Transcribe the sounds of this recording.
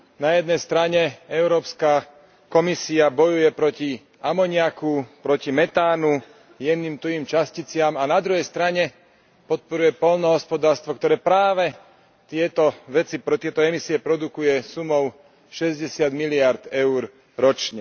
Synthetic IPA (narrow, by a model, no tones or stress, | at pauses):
najɛd̪nɛjst̪ɾaɲɛɛʊɾɔːpska | kɔmisiabɔjujɛpɾɔci | amɔɲɪakupɾɔcimɛt̪aːnu | jɛniːmt̪uiːmt͡ʃascit͡sɪamanad̪ɾuɦɛjst̪ɾaɲɛ | pɔt̪̚pɔɾujɛpɔlnɔɦɔspɔd̪aːɾst̪ʋɔk̚t̪ɔɾɛːpɾaːʋɛ | t̪ɪɛt̪ɔʋɛt͡sipɾɔt̪ɪɛt̪ɔɛmisiɛpɾɔd̪ukujɛsumɔʊ | ʃɛzɟɛsɪad̪milɪaɾd̪ɛʊɾ | ɾɔt͡ʃɲɛ